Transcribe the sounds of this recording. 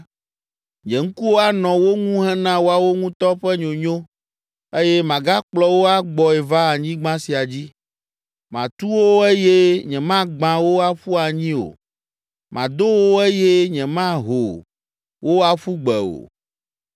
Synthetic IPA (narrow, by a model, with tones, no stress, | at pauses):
ɲɛ̃˨ŋ̩˦ku˦wo˦a˦nɔ̃˨wo˦ŋũ˦ɦɛ˦nã˦wo˦a˨wo˦ŋũ˦t̪ɔ˦ɸɛ˦ɲo˨ɲõ˦ | e˦jɛ˦mã˨ɡa˦k͡plɔ˦wo˦a˦ɡ͡bɔ˨ɛ˨va˦a˨ɲĩ˦ɡ͡bã˦si˨a˨d͡ʑi˦ | mã˨t̪u˦wo˦e˦je˦ɲɛ̃˨mã˦ɡ͡bã˨wo˦a˦ɸu˦a˨ɲĩ˦o̰˨ | mã˨d̪o˦wo˦ɛ˦je˦ɲɛ̃˨mã˦ɦo˨ | wo˦a˨ɸu˦ɡ͡bɛ˨o̰˨